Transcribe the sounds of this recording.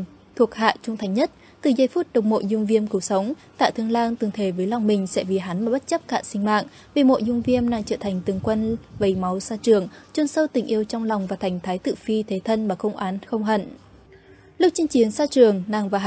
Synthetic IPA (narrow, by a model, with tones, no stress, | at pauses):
t̪ʰu˨˩ək̚ha̰ː˧˨t͡ɕʊ˧ŋ͡mt̪ʰa˨˩jŋ̟ɲə˦˥t̚ | t̪ɨ˨˩zaː˧˩jfu˦˥t̚ɗə˨˩wk͡p̚mo̰˧˨jzʊ˧ŋ͡mvi˧əmkɨ˨˦wsə˨˦wŋ͡m | t̪a̰ː˧˨t̪ʰɨ˧əŋlaː˧ŋt̪ɨ˨˩ŋt̪ʰe˧˨˩vəː˨˦jla˨˩wŋ͡mmï˨˩ŋ̟sɛ̰˧˥vi˨˩ɦa˨˦nmaː˨˩ɓt̚t͡ɕə˦˥p̚ka̰ː˧˨sï˧ŋ̟ma̰ː˧˨ʔ | vi˨˩mo̰˧˨jzʊ˧ŋ͡mvi˧əmna˧˨ŋt͡ɕə̰ː˧˨t̪ʰa˨˩jŋ̟t̪ɨ˨˩əŋkwə˧nvə˨˦jma˨˦wsaː˧t͡ɕɨ˨˩əŋt͡ɕu˧nsə˧wt̪ï˨˩ŋ̟ʔi˧əwt͡ɕɔ˧wŋ͡mla˨˩wŋ͡mvaː˨˩t̪ʰa˨˩jŋ̟t̪ʰaː˨˦jt̪ɨ̰˧˨fi˧t̪ʰe˨˦t̪ʰə˧nmaː˨˩xə˧wŋ͡mʔaː˨˦nxə˧wŋ͡mɦə̰˧˨n | lʊ˦˥k̚t͡ɕi˧əŋt͡ɕi˨˦ənsaː˧t͡ɕɨ˨˩əŋna˨˩ŋvaː˨˩